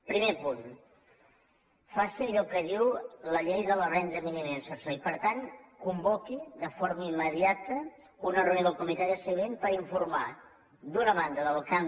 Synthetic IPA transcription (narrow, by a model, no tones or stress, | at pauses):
pɾimepun | fasiəʎɔkəðiwləʎejðələrɛnd̪ɾəminimensəsəipəɾt̪ankumbɔkiðəfoɾməimːəðiat̪ə | unərunoðəlˠkumit̪aɾiəsəβenpəɾiɱfuɾma | d̪unəβand̪əðəlˠkam